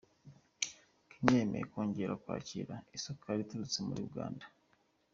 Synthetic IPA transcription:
kʰiɲeːmḛjeko̞ːɲɟe̞ɾakwa̰ːciɾaisokʰaɾituɾut͡semṵɾiuɡa̰ːnda

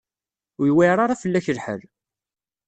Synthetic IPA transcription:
ʊjwiɾˤaɾˤɑfəlːæçəlħə̰l

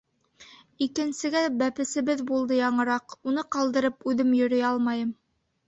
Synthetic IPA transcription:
ikɘ̆nsɘ̆ɡæbæpɘ̆sɘ̆βɘðbulˠd̪ɤjɑɴɤ̆ɾɑqunɤqɑlˠd̪ɤ̆ɾɤpʉðɘmjɵ̆ɾɵ̆jɑlˠmɑjɤm

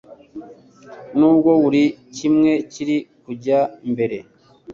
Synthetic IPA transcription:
nuːbɡo̞wuɾicimŋe̞ciɾikuɟambe̞ɾe̞̰

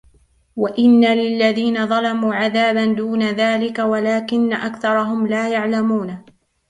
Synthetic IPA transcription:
waʔɪnːalɪlːaðiːnaðˤɑlɑmuːʕaðaːband̪uːnaðaːlɪkawalaːkɪnːaʔakθɑɾˤɑɦʊmlaːjaʕlamuːn

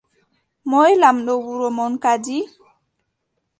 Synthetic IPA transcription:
mɔjlamɗɔwuɾɔmɔnkad͡ʒi

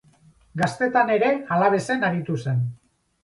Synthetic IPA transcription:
ɡast̪e̞t̪ane̞ɾe̞alaβ̞e̞se̞naɾit̪use̞n

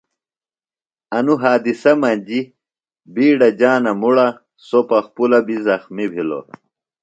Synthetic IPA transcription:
ɐnuɦaːd̪isɐmɐnʲd͡ʑi | biːɽɐd͡ʑaːnɐmuɽɐ | sopɐxpulɐbizɐxmibʱilo̰

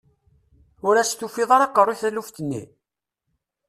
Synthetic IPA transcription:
ʊɾæst̪ufiðˤɑɾˤɑqːərˤiθæluft̪ənːḭ

